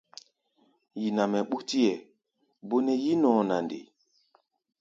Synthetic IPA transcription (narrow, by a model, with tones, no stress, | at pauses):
ji˨na˨mɛ˨ɓu˦ti˦ɛ˨ | bo˦nɛ˦ji˦nɔ̃˨na˨ndḛ˨